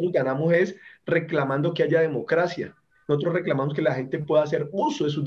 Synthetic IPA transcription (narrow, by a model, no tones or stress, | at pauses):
ɡanamo̞se̞sre̞klamãnd̪o̞keaʝað̞e̞mo̞kɾasja̰ | nosot̪ɾosreklamamos̬ke̞laxe̞nt̪e̞pwe̞ðas̬e̞ɾusoðes̬ud̪